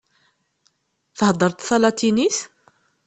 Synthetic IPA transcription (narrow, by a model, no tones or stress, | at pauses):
θhd̪ˤəɾˤt̪θɑlɑt̪iniθ